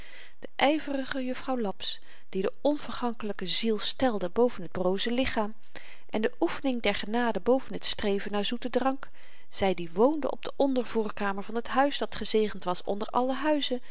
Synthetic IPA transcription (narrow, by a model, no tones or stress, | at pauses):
d̥əʔɛjvərəχəjɵfrɑwlɑps | d̥idəɔnv̥əɹχɑŋkələkəzilˠstɛlˠdəbowvənɦəd̚browzəlɪχaːm | ʔɛndəʔufənɪŋdɛɹχənaːdəbowvənɦətstrejvənaːɹzutədrɑŋk | z̥ɛjdiʋowndə̰ʔɔ̰b̚dəʔɔndəɹvuːɹkaːməɹvɑnɦətɦœɥzdɑtχəzejχəntʋɑsɔ̰ndəɹʔɑ̰lˠəɦœɥzə